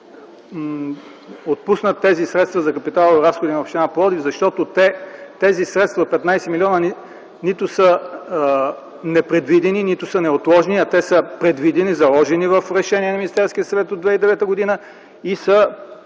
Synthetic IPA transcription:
ot̪̚pusnət̪ːɛzisɾɛt̪st̪vɐzɐkɐpit̪alˠvɾasxod̪inɐopʃt̪inaplˠɔd̪ivzɐʃt̪ɔt̪ot̪ɛt̪ɛzisɾɛt̪st̪vɐot̪̚pɛt̪najsɛmilʲiɔnəni | nit̪ʊsə | nɛpɾɛd̪vid̪ɛninit̪ʊsənɛot̪lˠɔʒniɐt̪ɛsəpɾɛd̪vid̪ɛnizɐlˠɔʒɛnivɐfɾɛʃɛniɛnɐminist̪ɛɾsk̟ʲiəsɐvɛt̪od̪vɛid̪ɛvɛt̪əɡod̪inə | isə

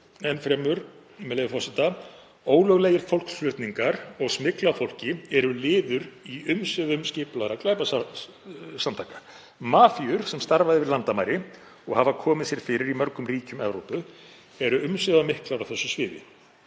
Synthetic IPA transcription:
ɛnfɾɛmʏɾ | mɛlejvɪfɔsɪt̪a | oːwlœɣlɛːjɪɾ̥fowl̥kslʏɾt̪niŋkaɾɔɣsmɪklafowl̥cɪɛɾʏlɪːðʏɾiʏmsʏðʏmscɪːplaɾaklaːjpa | samt̪ʰaːka | maːfiʏɾ̥sɛmst̪aɾvaðɪvɪðlant̪amajɾɪ | ɔɣhavakʰɔːmɪðsjɛɾ̥fɪɾɪɾimœɾkʏmriːcʏmɛvɾowpʏ | ɛɾʏʏmsʏðamɪhklaɾawθɛsːʏsvɪːðɪ̰

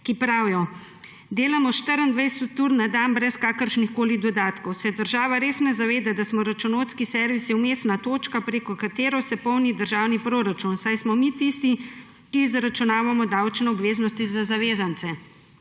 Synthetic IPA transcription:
kipɾaːwjɔ | d̪eːlamɔʃt̪əɾənd̪ʋɛjsɔt̪ːuɾnad̪anbɾɛskaːkəɾʃnixkoːlid̪ɔd̪aːt̪kɔwsɛd̪əɾʒaːʋaɾeːsnɛzaʋeːd̪ad̪asmɔɾat͡ʃunoːt̪skisɛɾʋisiumeːsnat̪oːt͡ʃkapɾeːkɔkat̪eːɾɔsɛpɔwnid̪əɾʒawnipɾoːɾat͡ʃunsajsmɔmit̪ist̪i | kizɾat͡ʃunaːʋamɔd̪awt͡ʃnɛɔbʋeːznɔst̪izazaʋeːzant̪sɛ

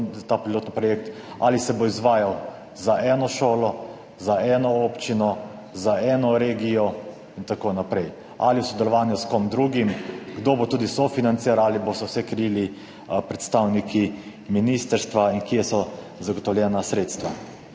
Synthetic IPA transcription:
t̪apɾiloːt̪nipɾɔjek̚t̪ | a̰ːlisɛboizʋaːjaw | zaʔɛːnɔʃoːlɔ | zaɛːnɔopt͡ʃinɔ | zaɛːnɔɾeːɡijɔ | int̪akonapɾɛj | a̰liwsɔd̪ɛlɔʋaːnjuskomd̪ɾuːɡimɡd̪oːbot̪uːd̪isɔfinant̪siɾaaːlibost̪ɔwsɛkɾɛjili | pɾɛt̪st̪awnikʰi | minist̪əɾst̪ʋainkijɛsɔ | zaɡɔt̪ɔwlʲjɛːnasɾeːt̪st̪ʋa

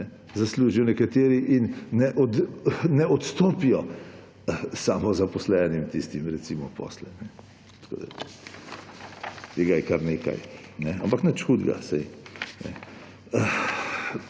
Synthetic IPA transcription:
nɛ | zasluːʒijɔnɛkat̪eːɾiʔinːɛʔɔd̪nɛɔt̪st̪oːpijɔ | saːmɔzapɔslɛːnimt̪ist̪imɾɛtsimɔpɔ̰slɛnɛ | t̪ɐ̥ko̰ːd̪a̰ | t̪eɡajɛkaɾneːka̰jnɛampaknət͡ʃxuːd̪ɡa̰sɛjnɛ̰ | ə

